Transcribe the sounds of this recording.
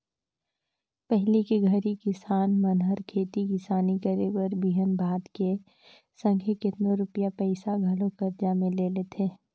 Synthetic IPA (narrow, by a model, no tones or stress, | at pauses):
pɛɦlikeɡʱɐɾikɪsaːnmənɦəɾkʰeːt̪ikɪsaːnikəɾebəɾbiɦənbʱaːd̪ke | sə̃ŋɡʱekɪt̪noɾʊpjapɛɪsaɡʱɐlõkɐɾd͡ʒamẽleːlet̪ʰeː